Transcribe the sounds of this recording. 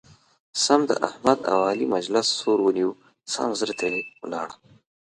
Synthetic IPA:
samd̪ə̰ʔahmad̪a̰wɑːlimad͡ʒlɪsːoɾwəniw | sa̰mzəɾt̪ʰeewlɑːɽa

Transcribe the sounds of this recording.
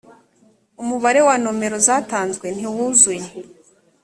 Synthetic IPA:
umuβaɾe̞wanome̞ɾo̞zaːtaːnzɡwe̞n̥iwuzuje

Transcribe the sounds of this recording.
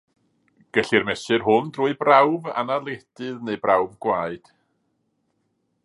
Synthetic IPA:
ɡ̥əɬɪrmɛsɨrɦʊndrʊːɨbrawva̰nalˠɛd̥ɨðneɨbrawvɡwaɨd̥

